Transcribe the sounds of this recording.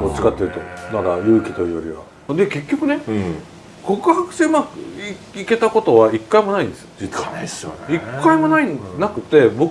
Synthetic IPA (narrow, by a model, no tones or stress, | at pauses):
mot͡ɕi̥kat̪ːeɾɯ̟t̪o̞̰maɡ̪aɾɯ̟ːkʲi̥t̪ojɯːjoɾʲiβa̰ | d̪e̞ke̞kʲːo̞kɯ̟ne | ko̞kɯ̟hakɯ̟̥semaiike̞t̪ako̞t̪o̞βaikːaimo̞naĩnd̪e̞sɨ̥ | ikkːaimo̞nainakɯ̟t̪e̞bok